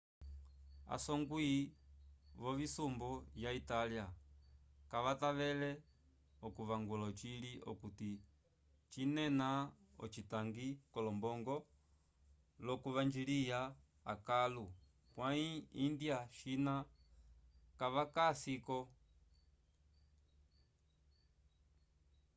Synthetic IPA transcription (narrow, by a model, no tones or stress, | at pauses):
a̰sɔŋɡwi | ʋɔvisumbɔjaitalia | kaʋataʋɛlɛ | ɔkuʋaŋɡɔlɔt͡ʃiliʔɔ̰kuti | t͡ʃinɛna | ɔ̰t͡ʃitaŋɡikɔlɔmbɔŋɡɔ | lɔkuʋand͡ʒilija | a̰kalu | kwaiindjaʃina | kaʋakasikɔ